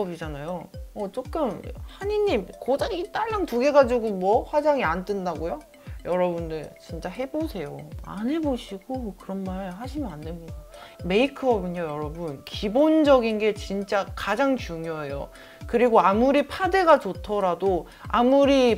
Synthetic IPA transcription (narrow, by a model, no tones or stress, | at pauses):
ʌbid͡ʑanajoʌt͡ɕ͈ok͈ɯmhaɲiɲːimkod͡ʑaɡit͈aɭːaŋtuɡe̞ɡad͡ʑiɡomwʌɸwad͡ʑaŋiant͈ɯndaɡojo | jʌɾʌbundɯɭt͡ɕint͡ɕ͈aɦe̞bosʰe̞joa̰nɦe̞boɕʰiɡokɯɾʌnmaɭɦaɕʰimʌnanːɯmɲidame̞ikʰɯʌbɯɲojʌɾʌbunkibond͡ʑʌɡinɡe̞t͡ɕint͡ɕ͈akad͡ʑaŋt͡ɕuŋjoejo̰ | kɯɾiɡoamuɾipʰade̞ɡat͡ɕotʰʌɾado | amuɾi